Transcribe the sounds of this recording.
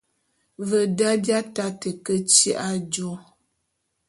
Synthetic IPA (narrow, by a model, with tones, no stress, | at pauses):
və˨da˦bja˦ta˦tə˨kə˦t͡ʃi˦ʔa˦d͡ʒo˦˨